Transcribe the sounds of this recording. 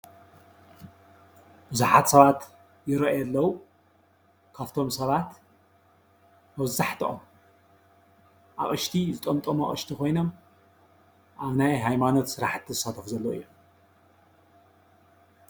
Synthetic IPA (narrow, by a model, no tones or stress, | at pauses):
bɨzuħat̪sɐβat̪ | jɪɾɐʔjɐlːɐwu | kʰaβt̪ʰo̞msɐβat̪ | mɐβzaħt̪ʰiʔom | ʔa̰βʔɨʃt̪ʰizɨt̪ʼɐmt̪ʼɐmoʔʼɨ̰ʃt̪ʰikʰo̞jno̞m | ʔaβnajɦajmano̞t̪sɨɾaħt̪ʰːizɨsat̪ʰɐfuzɐlːoɨ̰jːo